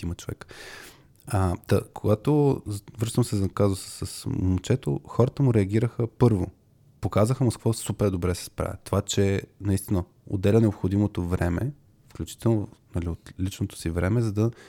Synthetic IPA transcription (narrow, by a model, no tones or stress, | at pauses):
imət͡ʃovɛ̰k | ɐt̪ɐkoɡat̪ovɾɤʃt̪əmsɛzkazosə̥sːəsmot͡ʃɛt̪o̰xɔɾət̪əmuɾɛɐɡ̟ʲiɾəxəpɤɾvo̰ | pokazəxəmoskvosupɛɾd̪obɾɛsɛ̥spɾa̰vʲɛ̰t̪ovat͡ʃɛnɐist̪inə | o̰d̪ɛlʲənɛopxod̪imot̪ovɾɛmɛ̰ | fklʲut͡ʃi̥t̪ɛlˠnonɐliot̪lit͡ʃnot̪o̥sivɾɛmɛzɐd̪ɐ